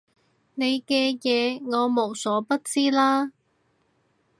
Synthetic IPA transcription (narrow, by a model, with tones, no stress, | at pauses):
ne˨˧jkɛː˧jɛː˨˧ŋɔː˨˧mo˨˩wsɔː˨˥pɐ˥t̚t͡siː˥laː˥